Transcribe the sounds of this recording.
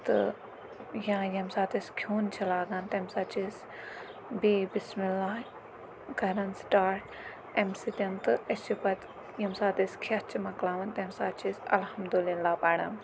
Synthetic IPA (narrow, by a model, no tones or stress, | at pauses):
t̪ɨ̰ | jãːjɐmsaːt̪iskʰjuːnt͡ʃʰɐlaːɡãːnt̪emsaːt͡ʃis | biːbismilːaː | ɡɐɾɐnsʈaːʈ | emsit̪ʲɐnt̪ɨɐst͡ʃipɐt̪ | jɐmsaːt̪iskʰɐt͡ʃimɐklaːʋɐnt̪emsaːt͡ʃisʲɐ̰lhɐmd̪ulilaːpaːɽɐ̰n